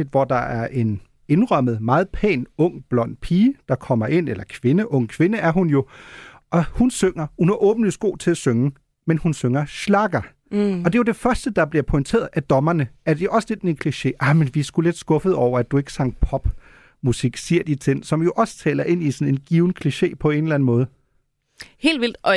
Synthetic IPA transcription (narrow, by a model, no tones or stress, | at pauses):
d̥ʋɒd̥ɑ̈æɐʔe̝n | e̝nʁɶm̰əð̩ˠmɑ̈ːð̞̩ˠpʰɛ̰ːnɔ̽ŋ̰b̥lɒ̽n̰̥pʰiːd̥ɑ̈kʰɒ̽m̰ɐʔe̝n̰elɐkʰʋe̝nəʔɔ̽ŋ̰kʰʋe̝nəæɐhunjo̝ | ʔɒ̽hunsøŋɐhunhɑ̈ʔɔ̽ːb̥n̩lisɡ̥o̝̰ːt͡sʰe̝læsøŋə | menhunsøŋɐɕlɑ̈ɡ̥ɐ | ɒ̽d̥e̝jo̝d̥e̝fɶɐsd̥əd̥ɑ̈b̥liɐpʰɒ̽ɪnt͡sʰe̝̰ːɐð̩ˠʔæd̥ɒ̽mɐnəʔæɐd̥eʔɒ̽sle̝d̥nekʰliɕe̝̰ːʔɑ̈ɪmenʋiæsɡ̥ule̝d̥sɡ̥ɔ̽fð̩ˠɒʊ̰ɐæd̥ue̝ɡ̥ə̥sɑ̈ŋ̰pʰɒ̽b̥ | musiɡ̥siɐ̰d̥it͡sʰen̰sɒ̽mjo̝ʔɒ̽st͡sʰɛ̰ːlɐʔe̝n̰isɒ̽ne̝nɡ̥iːʊn̩kʰliɕe̝̰ːpʰɒ̽e̝nlæn̩mɔ̽ːð̞ˠ | he̝̰ːld̥ʋil̰d̥